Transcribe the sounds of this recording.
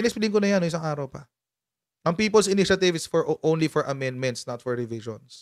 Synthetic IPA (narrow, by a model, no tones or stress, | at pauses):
ɪnɛspɪlɪŋkonɐjanoŋʔɪsaŋʔaːɾɐwpɐ | ʔɐŋpiːpɐlsɪniʃɐt̪ɪvɪsfɔɹʔõwnlifɔɹʔɐmɛ̃nd̪mɛ̃nt̪snɐt̪fɔɹːɪvɪʃɔ̰ns